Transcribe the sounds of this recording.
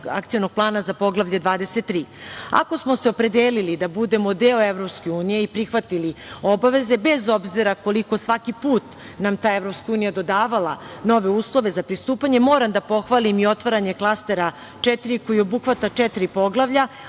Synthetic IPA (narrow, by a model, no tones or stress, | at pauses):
a̰kt̪sijonoɡ̥̚plˠaːnazapo̞ɡlˠaʋʎed̪ʋaːd̪e̞set̪ːɾiːa̰ko̞smo̞seo̞pɾe̞d̪eːlilid̪abud̪e̞mod̪eoevɾo̞pske̞uːnije̞ipɾixʋat̪ilio̞baʋe̞ze̞bezo̞bziɾako̞liko̞sʋakipuːt̪ | namt̪aːevɾopskauːnijad̪o̞d̪aːʋalˠano̞ʋe̞uːslˠo̞ʋe̞zapɾist̪uːpaɲe̞mo̞ːɾamd̪apo̞xʋalimio̞t̪ʋaɾaɲe̞klˠast̪e̞ɾa | t͡ʂɛt̪iɾiko̞jio̞buxʋat̪at͡ʂɛt̪ɾipo̞ɡlˠaʋʎa